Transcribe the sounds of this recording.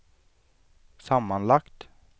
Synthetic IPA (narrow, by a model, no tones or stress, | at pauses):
sɑmɑnlɑkt̪